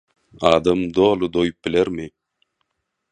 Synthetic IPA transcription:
ɑːd̪ɑmd̪oːlˠud̪ojup̚bileɾmi

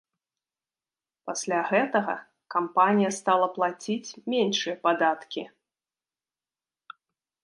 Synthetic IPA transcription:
pasʲlʲaɣɛt̪ɐɣɐ̰ | kampanʲijɐst̪alˠɐplˠat͡sʲit͡sʲmʲenʂɨjɛpad̪at̪kʲi

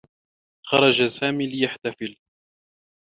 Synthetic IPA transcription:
xɑɾˤɑd͡ʒasaːmiːlɪjaħt̪afɪl

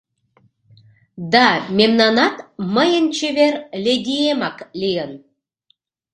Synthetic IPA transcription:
d̪ɑmʲemnɑnɑt̪məjənt͡ɕeβerlʲeɡ̪ʲiemɑklʲijən

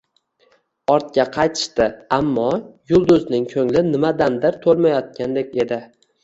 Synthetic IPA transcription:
ɒɾt̪̚kʲaqʰɑjt̪ʰɪ̥ʃt̪ɪamːɒjʊlˠd̪ʊznɪŋkʲʰɵŋlɪnɪmad̪and̪ɪɾt̪ʰolˠmajɒt̪̚kʲand̪ekʲe̞d̪ɪ

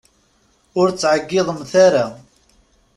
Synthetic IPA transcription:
ʊɾt͡sːʕəɡːɪðˤəmθaɾa

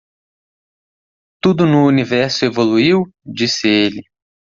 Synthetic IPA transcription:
t̪ud̪ʊnʊːnivɛɾsʊevoluiwd͡ʒisɪelɪ

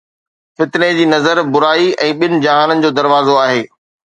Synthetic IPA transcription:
fɪt̪ned͡ʑiːnɐzəɾbʊɾaːiɛ̃ːɓɪnɪ̆d͡ʑɐɦaːnənɪ̆d͡ʑoːd̪ɐɾʋaːzoaːɦeː

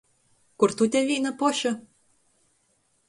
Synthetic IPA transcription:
kurt̪ut̪ʲævinɤ̆poɕɤ̆

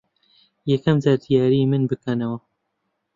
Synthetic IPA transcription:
jɛkɐmzaɾd̪ijaːɾimɨnbɨkanɐwɐ

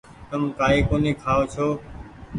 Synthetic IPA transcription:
t̪əmkaːiːkoːnĩːkʰaːʋoːt͡ʃʰoː

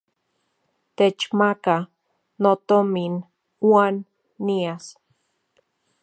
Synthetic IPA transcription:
t̪et͡ʃmaka | not̪omin | wanː | ias

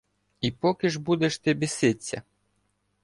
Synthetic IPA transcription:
ipɔkʲɪʐbud̪ɛʃt̪ɪbʲisɪt͡sʲːɐ̰

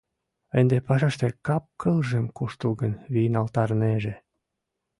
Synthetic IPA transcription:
end̪epɑʃɑʃt̪ekɑp̚kʰɤlʒemkuʃt̪əlɡənβinɑlt̪ɑrneʒĕ

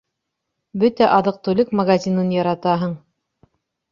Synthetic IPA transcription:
bɵt̪æʔɑðɤq̚t̪ʉlɘkmɐɡazʲinɤnjɑɾɑt̪ɑɦɤɴ

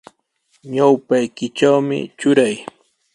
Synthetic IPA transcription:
ɲawpajkɪt͡ʃawmɪ̰t͡ʃʊɾaj

